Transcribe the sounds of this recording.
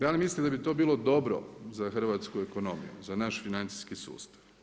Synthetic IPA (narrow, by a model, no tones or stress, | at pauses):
d̪aːlimislimd̪abit̪o̞ːbiːlˠo̞d̪o̞bɾo̰zaxr̩ʋat̪skueko̞no̞mḭjṵzanaʃfinant̪si̥skisṵːst̪ḁʋ